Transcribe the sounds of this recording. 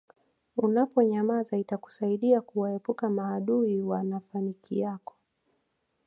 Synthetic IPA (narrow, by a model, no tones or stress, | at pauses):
unapɔɲamazaitaku̥saiɗiakuwaɛpukamaːɗuiwanafanikʰijakɔ̥